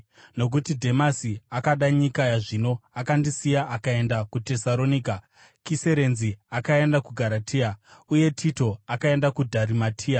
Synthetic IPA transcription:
no̞k̬utidʱe̞masiakaɗaɲikajaʐino̞akandisijaʔakae̞ndakute̞saɾo̞niːka | kise̞ɾe̞nziakae̞ndakuɡʱaɾatʰiːauje̞tʰito̞akae̞ndakudʱaɾimatʰiːa

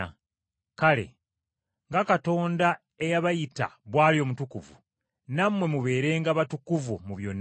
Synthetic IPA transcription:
kale̞̰ | ŋɡakato̞ːnda | e̞jaβajita̰βwaːlio̞ːmutukuvṵ | namwe̞muβe̞ːɾe̞ːŋɡaβatukuvumuβjo̞nː

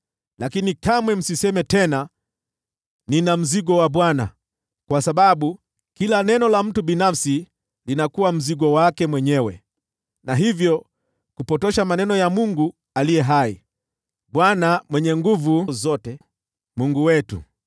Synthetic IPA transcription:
lakinikamwɛm̩sisɛmɛtɛna | ninam̩ziɡɔwaɓwana̰ | kwasaɓaɓu | kilanɛnɔlam̩tuɓinafsi | linakuwam̩ziɡɔwakɛmwɛɲɛwɛ̰ | naɦivjɔ | kupɔtɔʃamanɛnɔjamuŋɡu | alijɛɦai | ɓwanamwɛɲɛŋɡuvuzɔtɛ | muŋɡuwɛtṵ

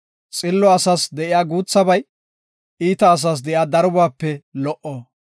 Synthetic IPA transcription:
t͡sʼɪlːɔɐsaːsd̪ɛʔɪjaːɡuːt͡sːɐbɐj | iːt̪ɐːs̬aːs̬d̪ɛjaːd̪ɐɾʊbaːpːɛlɔʔɔ

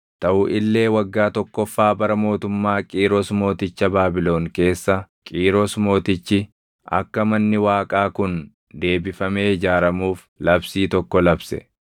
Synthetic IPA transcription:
t̪ɐʔʊʔɪlːe̞ːwɐɡːaːt̪ɔkːɔfːaːbɐɾɐmo̞ːt̪ʊmːaːkʼiːɾɔsmo̞ːt̪ɪt͡ʃːɐbaːbɪlo̞ːŋke̞ːsːɐ | kʼiːɾɔsmo̞ːt̪ɪt͡ʃːɪ | ʔɐ̰kːɐmɐnːɪwaːkʼaːkʊn | d̪e̞ːbɪfɐmeːɪd͡ʒaːɾɐmuːf | lɐbsiːt̪ɔkːɔlɐbsɛ̰

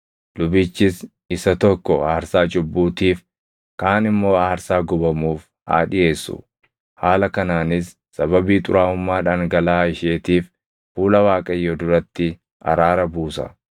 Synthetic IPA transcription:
lʊbiːt͡ʃːɪs | ɪsɐt̪ɔkːɔaːɾsaːt͡ʃʊbːuːt̪iːf | kaːnɪmːo̞ːaːɾsaːɡʊbɐmuːf | ha̰ːᶑɪje̞ːsːʊ̰ | haːlɐkɐnaːnɪsːɐβɐbiːt̪ʼʊɾaːʊmːaːᶑaːŋɡɐlaːɪʃeːt̪iːf | fuːlɐwaːkʼɐjːod̪ʊɾɐt̪ːɪ | ɐ̰ɾaːɾɐbuːsɐ̰

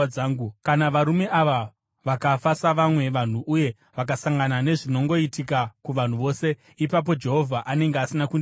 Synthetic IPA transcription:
aːŋɡukanaʋaɾume̞ʔaʋa | ʋakafasaʋamwe̞ʋan̤uʔuje̞ | ʋak̬asaŋɡanane̞ʐino̞ŋɡo̞itikakuʋan̤uʋo̞ːse̞ | ipap̬o̞d͡ʒe̞ɦo̞vʱaʔane̞ŋɡeasinakun

